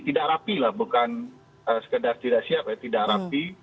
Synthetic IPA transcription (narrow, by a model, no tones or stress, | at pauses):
t̪idakɾapilahbukan | əsə̥kədart̪idaʔsiap̚jat̪idaʔɾapi